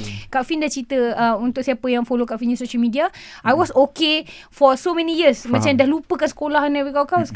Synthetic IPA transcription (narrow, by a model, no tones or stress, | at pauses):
kaʔfindaht͡ʃɾit̪əəunt̪ʊʔksiapəjaŋfolokaʔfinĩnsoʃəlmĩdiaʔajwɔsokefɔsomɛ̃nijəsmãt͡ʃamdahlupəkansə̥kolahnawikawkaws